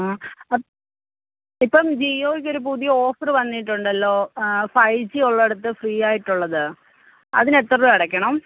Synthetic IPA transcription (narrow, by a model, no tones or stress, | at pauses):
ɐ | ipːɐmd͡ʑijjoːikʲːo̞ɾup̬uðijɐoːfɐrʋɐnːiʈːuɳɖɐlːo̞ːfɐjt͡ɕːioɭːeɽut̪ːɨfriːjaːjiʈːuɭːɐðɨ | ɐ̰ðine̞t̪ːrɐuɐɽɐkʲːɐɳɐm